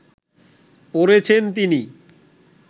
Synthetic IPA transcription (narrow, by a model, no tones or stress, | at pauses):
poɾet͡ɕʰent̪ini